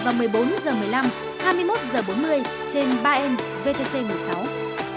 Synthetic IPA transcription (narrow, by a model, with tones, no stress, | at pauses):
vaː˨˩wmɨ˨˩əjɓo˨˦nzəː˨˩mɨ˨˩əjla˧m | haː˧jmɨ˧əjmo˦˥t̚zəː˨˩ɓo˨˦nmɨ˧əj | t͡ɕe˧nɓaː˧ʔɛ˧n | ve˧t̪e˧se˧mɨ˨˩əjsa˨˦w